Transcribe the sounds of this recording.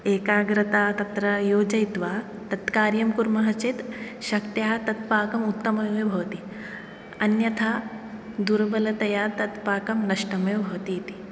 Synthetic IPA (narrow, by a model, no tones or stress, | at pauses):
eːkaːɡɾɐt̪aːt̪ɐt̪ɾɐjoːd͡ʒɐjt̪ʋaː | t̪ɐt̪kaːɾjɐmkuɾmɐɦɐt͡ʃit̪ | ʃɐkt̪jaːt̪ɐt̪paːkɐmut̪ːɐmɐebʱɐʋɐt̪i | ɐnjɐt̪ʰa | d̪uɾbɐlɐt̪ɐjaːt̪ɐt̪paːkɐmnɐʂʈɐmebʱɐʋɐt̪iːit̪i̥